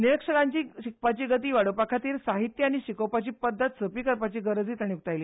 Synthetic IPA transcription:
niɾəkʂəɽaɲt͡ɕiːɕik̚pat͡ɕiːɡət̪̬iːʋaɽəpakʰat̪iːɾsaɦit̪jəaɽ̃iɕikəwpat͡ɕiːpəd̪ʱːət̪səpiːkəɾpat͡ɕiːɡəɾəd͡ziːt̪aɽ̃ijuk̚t̪ajliː

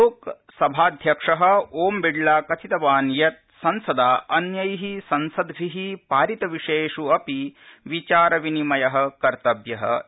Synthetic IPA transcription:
oːk | sɐbʱaːd̪ʱjɐkʂɐɦɐ̆oːmbiɖlaːkɐt͡ʃ̪ʰit̪ɐʋaːnjɐt̪̚ | sɐnsɐd̪aːʔɐnjɐjɦisɐnsɐd̪ɡɾiɦipaːɾit̪ɐʋiʂeːʂuɐpiʋit͡ʃaːɾɐʋinimɐjɐɦɐ̆kɐɾt̪ɐbjɐɦɐ̰

